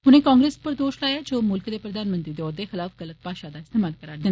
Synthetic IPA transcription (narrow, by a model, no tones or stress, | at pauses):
ʊnẽːkaːŋɡɾeːspəɾd̪oːʃlaːjaːd͡ʒoːmʊlkd̪eːpɾəd̪aːnmənt̪ɾiːd̪eɔːd̪eːxɪlaːfɣələt̪̚paːʃaːd̪aːɪst̪eːmaːlkəɾaːd̪ɪn